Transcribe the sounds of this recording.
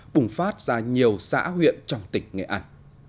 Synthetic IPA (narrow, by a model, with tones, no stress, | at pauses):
ɓʊ˨˩ŋ͡mfaː˦˥t̚z̥aː˧ɲi˨˩əwsa̰ː˧˥ɦwḭ˧˨ənt͡ɕɔ˧wŋ͡mt̪ï˨˩ŋ̟ŋḛ˨˩ʔa˧˩ŋ